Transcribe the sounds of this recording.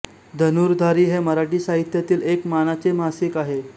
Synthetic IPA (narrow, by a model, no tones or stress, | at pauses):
d̪ʱənuːɾd̪ʱaɾiːɦeməɾaʈ̬iːsaɦit̪jat̪iːlekmanat͡semasikaɦe